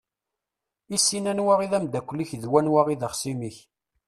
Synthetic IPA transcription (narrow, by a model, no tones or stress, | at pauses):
isːinænwaʁiðæmd̪ækʷːliçðwænwaʁiðəχsimiç